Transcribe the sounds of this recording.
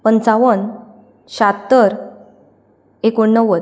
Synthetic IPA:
pənt͡saʋən | ɕat̪ːəɾ | ekoɳːəʋət̪

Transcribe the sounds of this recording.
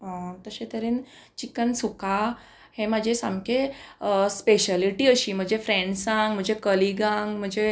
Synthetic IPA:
ət̪əsẽt̪əɾen | t͡ɕikənsuka | hemad͡ʑʱesãmke | speɕaliʈiːəɕiːm̤əd͡ʑefɾẽɳɖsãŋɡm̤əɳd͡ʑekəliɡãŋɡm̤əd͡ʑe

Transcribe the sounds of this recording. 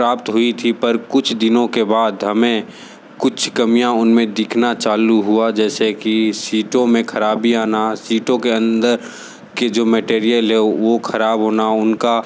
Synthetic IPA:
pɾaːpt̪ɦʊit̪ʰipɐɾkʊt͡ʃʰd̪ɪnõkebaːd̪ɦɐmẽ | kʊt͡ʃʰkɐmijãʊnmẽd̪ɪkʰnat͡ʃaːluɦuad͡ʒɛːsekisiːʈõmẽkʰɐɾaːbʱiaːnasiːʈõkeə̃nd̪əɾ | ked͡ʒoːmɛʈeːɾijəlɦɛʋokʰɐɾaːbɦoːnaʊnka

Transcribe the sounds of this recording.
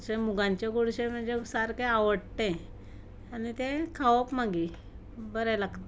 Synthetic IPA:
ɕemuɡãɲt͡ɕaɡoɽɕẽm̤əɳd͡ʑesaɾkeaʋəɽt̪ẽ | anit̪ẽkʰaʋəpmaɡi | bəɾɛlaɡt̪

